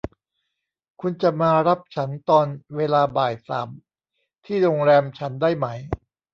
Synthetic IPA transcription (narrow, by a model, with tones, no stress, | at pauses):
kʰu˧nt͡ɕa˨˩maː˧ɾa˦˥p̚t͡ɕʰa˦˥nt̪ɔː˧nweː˧laː˧baː˨˩jsa̰ː˩˦m | t̪ʰiː˥˩ɾoː˧ŋɾɛː˧mt͡ɕʰa˦˥ndaː˥˩jma˦˥j